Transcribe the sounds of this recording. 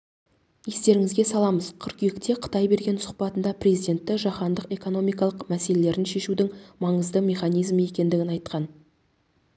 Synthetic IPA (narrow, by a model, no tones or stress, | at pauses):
e̞st̪e̞ɾɪŋɪzɡʲe̞sɑlˠɑməz̥qʰʏɾkʲʰjekt̪e̞qʰə̥t̪ɑjbe̞ɾɡʲe̞nsʊ̥qpɑt̪ənd̪ɑprʲe̞zijd̪ʲe̞nt̪ːɪʒɑχɑnd̪əqe̞ko̞no̞mijkɑlˠəqmæse̞le̞le̞ɾɪnʃe̞ʃud̪ɪŋmɑɴəzd̪əmʲe̞χɑnijzməje̞kʲe̞nd̪ɪɡʲɪnɑjt̪qɑn